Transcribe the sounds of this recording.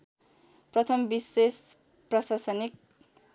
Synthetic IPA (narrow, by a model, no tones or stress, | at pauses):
prʌt̪ʰʌmbises | prʌsasʌnik̚